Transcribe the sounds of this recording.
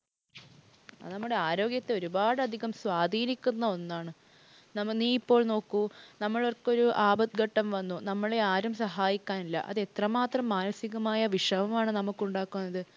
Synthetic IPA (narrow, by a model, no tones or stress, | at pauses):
ɐ̰ɨnɐmːuɽe̞aːɾo̞ːɡjɐt̪ːe̞o̞ɾubaːɽɨɐd̪ʱiɣɐmsʋaːd̪ʱiːnikʲːunːɐo̞nːaːɳɨ | nɐmniːipːo̞ːɭno̞ːkːunɐmːɐɭorkːo̞ɾuʔaːbɐt̪ɡɐʈːɐmʋɐnːunɐmːɐɭe̞aːɾumsɐɦaːjikʲːaːnilːɐ̰ʔɐ̰ðe̞t̪rɐmaːt̪rɐmːaːnɐsiɣɐmaːjɐʋiʂɐʋɐmaːɳɨnɐmukːuɳɖaːkːunːɐðɨ